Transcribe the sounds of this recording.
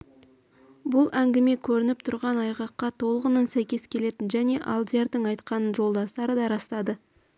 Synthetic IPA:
bʊlˠæŋɡʲɪme̞kʲʰɵɾɪnɪp̚t̪ʰʊɾʁɑnɑjʁɑqːɑt̪ʰo̞lˠəʁənənsæjkʲe̞skʲʰe̞le̞t̪ɪnʒæne̞ʔɑlˠd̪jeɾd̪əɴɑjt̪qɑnənʒo̞lˠd̪ɑst̪ɑɾəd̪ɑɾɑst̪ɑd̪ə

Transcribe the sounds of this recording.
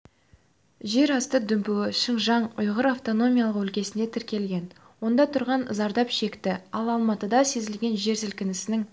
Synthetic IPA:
ʒe̞ɾɑst̪əd̪ʏmpuwɪʃəɴʒɑɴʊjʁəɾaft̪o̞no̞mʲijalˠəqɵlkʲe̞sɪne̞t̪ʰɪɾkʲe̞lɡʲe̞n | wo̞nd̪ɑt̪ʰʊɾʁɑnzɑɾd̪ɑpʃe̞kt̪ɪɑlˠɑlˠmɑt̪əd̪ɑse̞zɪlɡʲe̞nʒe̞ɾsɪlkʲɪnɪsɪnɪŋ

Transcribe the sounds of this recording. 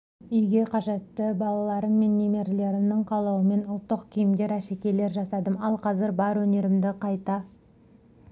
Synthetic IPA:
ʏjɡʲe̞qʰɑʒe̞t̪ːəbɑlˠɑlˠɑɾəmːe̞nːe̞me̞ɾle̞ɾɪmd̪ɪɴqʰɑlˠɑwəme̞nʊlˠt̪ːəqkʲʰijɪmd̪e̞ɾæʃe̞kʲe̞le̞ɾʒɑsɑd̪əmɑlˠqʰɑzɪɾbɑɾwɵne̞ɾɪmd̪ɪqʰɑjt̪ɑ

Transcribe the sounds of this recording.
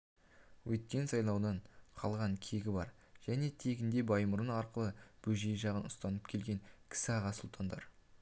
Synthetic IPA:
wɵt̪̚kʲe̞nsɑjlˠɑwd̪ɑɴqʰɑlˠʁɑɴkʲʰe̞ɡʲɪbɑɾ | ʒ̥æne̞t̪ʰe̞ɡʲɪnd̪e̞bɑjmʊɾənɑɾqəlˠəb̥ɵʒe̞jʒɑʁənʊst̪ɑnəp̚kʲʰe̞lɡʲe̞ŋkʲʰɪ̥sɪɑʁɑsʊlˠt̪ʰɑnd̪ɑ̰ɾ

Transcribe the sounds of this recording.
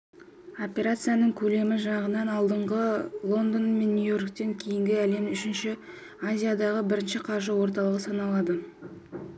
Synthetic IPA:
o̞pʲe̞ɾat̪sɨjanəɴkʲʰɵle̞mɪʒɑʁənɑnɑlˠd̪əɴʁəlˠo̞nd̪onme̞nːujo̞rkt̪e̞ŋkʲʰejɪŋɡʲɪæle̞mʏʃɪnʃɪ | azʲijad̪ɑʁəbɪɾɪnʃɪqʰɑɾʒəwo̞ɾt̪̬ɑlˠəʁəsɑnɑlˠɑd̪ə

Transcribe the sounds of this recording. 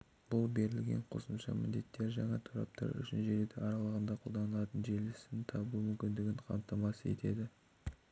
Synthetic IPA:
b̥ʊlˠbe̞ɾɪlɡʲe̞̰ɴqʰo̞̰səmʃɑmɪnd̪e̞t̪ːe̞ɾʒɑŋɑt̪ʰoɾɑ̰p̚t̪ʰɑ̰ɾʏ̰ʃɪnʒeɾed̪ɪɑɾɑlˠəʁənd̪ɑqʰolˠd̪ɑnəlˠɑt̪ənʒe̞lɪsɪt̪ʰɑbumʏmkʲɪnd̪ɪɡʲɪɴqʰɑ̰mt̪ɑmɑsəe̞̰t̪e̞d̪ɪ

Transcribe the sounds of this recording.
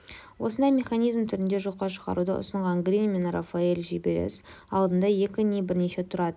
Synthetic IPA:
wo̞sənd̪ɑjme̞χanijzmt̪ʰʏɾɪnd̪e̞ʒo̞qːɑʃə̥ʁɑ̰ɾud̪ə̰ʔʊ̰səɴʁɑŋɡɾʲinme̞nra̰faelʒibeɾḛsɑlˠd̪ənd̪ɑje̞kʲɪnebɪɾne̞ʃe̞t̪ʰʊɾɑd̪ə

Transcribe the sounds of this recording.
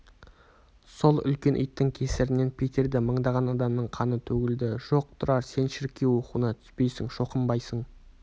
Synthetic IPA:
so̞lˠʏ̰lkʲe̞nʔḭjt̪ːɪŋkʲʰe̞sɪɾɪne̞npʲʰet̪ʰe̞ɾd̪ɪməɴd̪ɑʁɑnɑd̪ɑmnəɴqʰɑnət̪ʰɵɡʲɪld̪ɪʒ̥o̞q̚t̪ʰʊɾɑɾse̞nʃɪɾkʲːe̞wo̞quənɑt̪ʰʏ̥spe̞jsɪŋʃo̞qəmbɑjsəɴ

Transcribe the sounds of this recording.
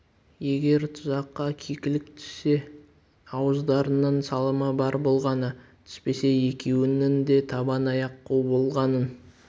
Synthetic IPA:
je̞ɡʲe̞ɾt̪ʰʊzɑqːɑkʲʰekʲɪlɪkt̪ʰʏ̥se̞ | ɑwəzd̪ɑɾənəɴsɑlˠəməbɑɾbo̞lˠʁɑnət̪ʰʏ̥spe̞se̞e̞kʲʰe̞wɪnɪnd̪e̞t̪ʰɑbɑnɑjɑqːuwbo̞lˠʁɑnən

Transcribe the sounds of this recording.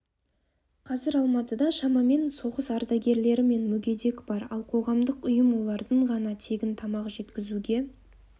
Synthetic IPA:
qʰɑzɪɾɑlˠmɑt̪əd̪ɑʃɑmɑme̞nso̞ʁəsɑɾd̪ɑɡʲe̞ɾle̞ɾɪme̞nmʏɡʲe̞d̪e̞kʲb̥ɑɾɑ̰lˠqʰo̞ʁɑmd̪əqʊjəmwo̞lˠɑɾd̪əɴʁɑnɑt̪ʰe̞ɡʲɪnt̪ʰɑmɑʁəʒe̞t̪kʲɪzuɡʲe̞

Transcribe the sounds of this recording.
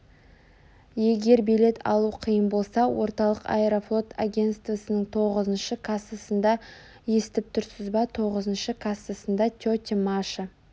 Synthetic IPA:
je̞ɡʲe̞ɾbele̞t̪ɑ̰lˠuqʰijəmbo̞lˠsɑwo̞ɾt̪ɑlˠəqa̰eɾoflˠo̞t̪aɡʲe̞nt̪st̪vəsənəɴt̪ʰo̞ʁəzənʃəkʰasəsənd̪ɑ | je̞st̪ɪp̚t̪ʰʊɾsɪzbɑt̪ʰo̞ʁəzənʃəkʰasəsənd̪ɑt̪ʲot̪ʲemaʃə

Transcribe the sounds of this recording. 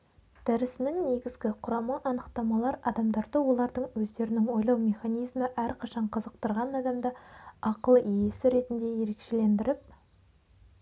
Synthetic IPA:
d̪̥æɾɪsɪnɪŋne̞ɡʲɪzɡʲɪqʰʊɾɑmɑʔɑnəqt̪ɑmɑlˠɑɾɑd̪ɑmd̪ɑɾd̪əwo̞lˠɑɾd̪əɴwɵzd̪e̞ɾɪnɪŋwo̞jlˠɑwmʲe̞χɑnijzməʔæɾqʰɑʃɑɴqʰəzəq̚t̪əɾʁɑnɑd̪ɑmd̪əɑqəlˠijesɪɾe̞t̪ɪnd̪e̞je̞ɾe̞kʃe̞le̞nd̪ɪɾɪp̚

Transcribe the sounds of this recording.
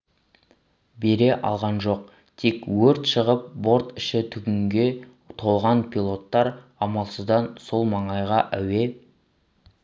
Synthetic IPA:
be̞ɾe̞ʔɑ̰lˠʁɑnʒo̞q̚ | t̪ʰe̞kwɵɾt̪ʃəʁəp̚bo̞ɾt̪ɪʃɪt̪ʰʏɡʲɪŋɡʲe̞ | t̪ʰo̞lˠʁɑnpʰilˠo̞t̪ːɑɾɑmɑlˠsəzd̪ɑnso̞lˠmɑɴɑjʁɑʔæwe̞

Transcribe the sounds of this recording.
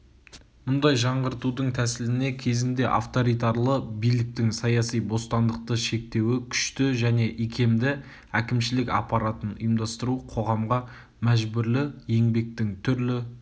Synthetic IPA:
mʊnd̪ɑjʒɑɴʁəɾt̪ud̪əɴt̪ʰæsɪlɪne̞kʲʰe̞zɪnd̪e̞ʔa̰ft̪o̞ɾijt̪ɑɾlˠəbijlɪk̚t̪ɪŋsɑjɑsijbo̞st̪ɑnd̪əq̚t̪əʃe̞k̚t̪e̞wɪkʲʰʏ̥ʃt̪ɪʒæne̞ʔikʲʰe̞md̪ɪ | ækʲɪmʃɪlɪkɑ̰pɑɾɑt̪ənḭjmd̪ɑst̪əɾuqʰo̞ʁɑmʁɑ | mæʒbʏɾlɪje̞ŋbe̞k̚t̪ɪŋt̪ʰʏɾlɪ

